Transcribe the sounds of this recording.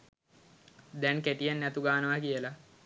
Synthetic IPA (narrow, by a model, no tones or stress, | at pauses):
d̪ɛŋkeʈijanːæt̪uɡaːnəʋakijəla